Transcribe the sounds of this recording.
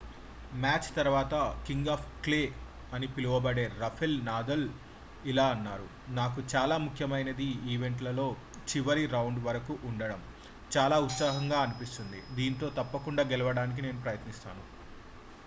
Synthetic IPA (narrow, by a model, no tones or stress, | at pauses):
maːt͡ʃt̪ɐɾʋaːt̪ɐkiŋɡaːpʰkleː | ɐnipiluʋɐbɐɽe̞ːɾɐpʰelnaːd̪ɐl | ilaːɐnːaːɾu | naːkut͡ʃaːlaːmukʰjɐmɐjnɐd̪iiːʋe̞ɳʈlɐlo̞ː | t͡ʃiʋɐɾiɾɐwɳɖʋɐɾɐkuʔːɳɖɐɽɐm | t͡ʃaːlaːut̪saːɦɐŋɡaːɐnipist̪und̪ḭd̪iːnt̪o̞ːt̪ɐpːɐkuɳɖaːɡɛlɐʋɐɽaːnik̬ine̞ːnupɾɐjɐt̪nist̪a̰ːnu